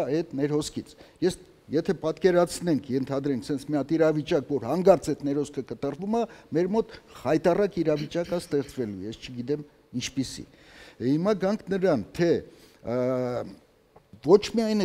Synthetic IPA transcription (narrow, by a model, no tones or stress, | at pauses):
ɛt̪nɛɾhɔskʰit͡sʰjɛs | jɛt̪ʰɛpɑt̪kɛɾɑt͡sʰnɛŋkʰjɛnt̪ʰɑd̪ɾɛŋkʰsɛnt͡sʰmiɑt̪iɾɑvit͡ʃɑkvɔɾhɑŋɡɑɾt͡sɛt̪nɛɾhɔskʰəkət̪ərvumɑmɛɾmɔt̪hɑjt̪ɑrɑkiɾɑvit͡ʃɑkəst̪ɛχt͡svɛlujɛst͡ʃʰəɡit̪ɛm | int͡ʃʰpisḭ | himɑɡɑŋkʰnəɾɑnt̪ʰɛ | vɔt͡ʃʰmiɑjn